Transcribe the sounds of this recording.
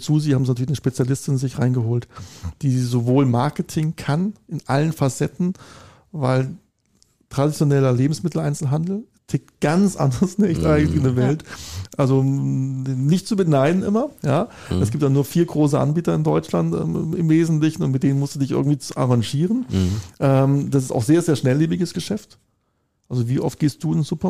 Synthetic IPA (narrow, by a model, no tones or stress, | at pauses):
t͡suːziːhaːm̩zinatʰyɐlɪçnəʃpet͡sjalɪstɪnzɪçʁaɪnɡəɦoːltd̥iːzovoːlmaɐkətʰɪŋkʰanʔɪnʔa̰lənfasɛtn̩ | va̰ɪl | tʁ̥adit͡sjonɛlɐleːbm̩smɪtl̩ʔaɪnt͡sl̩ɦandl̩ | tʰɪk̚tɡ̥ant͡sʔa̰ndɐʁəsnɛçtʔaɪɡŋtɪnəvɛltʔalzo | nɪçtt͡subənaɪdn̩ʔɪmɐjaː | ɛsɡ̥iːp̚tjaːnuːɐfiːɐɡʁoːs̬əʔa̰nbiːtɐɪndɔʏt͡ʃlantʔɛ̰ːm̰ɪmveːzn̩tlɪçn̩ʊntmɪtd̥eːnənmʊsd̥uːdɪçʔɪ̰ɐɡŋ̩tv̥iːt͡sʔa̰ʁaŋʒiːʁənʔɛːmd̥asɪsta̰ʊxz̥eːɐzeːɐʃnɛlːeːbɪɡəsɡ̥əʃɛft | ʔalzoviːʔɔft̚ɡ̥eːst̚d̥uːɪnz̥upɐ